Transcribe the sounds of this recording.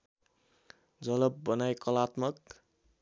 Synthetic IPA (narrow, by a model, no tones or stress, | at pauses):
d͡zʌlʌbːʌnajkʌlat̪mʌk̚